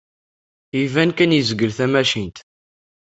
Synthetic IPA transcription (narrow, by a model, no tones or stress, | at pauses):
ivænkænjizəɡəlθæmæʃint̪